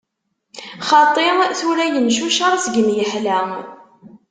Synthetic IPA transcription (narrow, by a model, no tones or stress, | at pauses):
χɑt̪ˤːeθuɾæjənʃuʃɑɾˤsɡəmjəħlæ